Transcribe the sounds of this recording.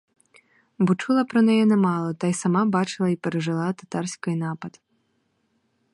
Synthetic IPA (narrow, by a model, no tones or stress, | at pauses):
bɔt͡ʂulˠɐpɾɐnɛjɛnɐmalˠɔt̪ajsamabat͡ʂɨlˠɐipʲɛɾɐʐɨlˠat̪at̪arsʲkɐjnapɐt̪